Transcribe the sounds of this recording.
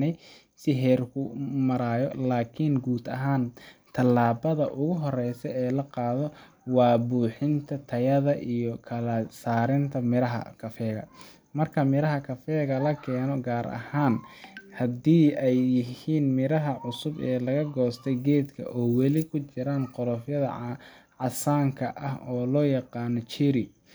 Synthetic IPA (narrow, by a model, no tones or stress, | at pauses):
nɛj | sɪɦɛːrkʰʊmɐɾaːjɔlaːkʰɪnɡuːd̪ɐɦaːnt̪ʰɐlːaːβɐðɐʔʊɣʊɦɔrɛjsɛɛːlɐqɑːðɔ | wɑːbuːħɪnt̪ʰɐt̪ʰɐjɐðɐʔijɔkʰɐlɐsaːɾɪnt̪ʰɐmɪɾɐɦɐ̰kʰɐfɛːɣɐ̰ | mɐrkʰɐmɪɾɐɦɐkʰɐfɛːɣɐlɐkʰɛːnɔɡaːɾʔɐ̰haːnhɐd̪iːɛjjɪhiːnmɪɾɐɦɐʕʊsʊbɛːlɐɣɐɡɔːst̪ʰɛɡɛːd̪kʰɐ̰ʔɔːwɛlɪkʰʊt͡ʃɪɾaːnqɔɾɔfjɐðɐ̰ʕɑsaːŋkʰɐʔɐɦɔːlɔːjɑqɑːnɔt͡ʃiɾɪ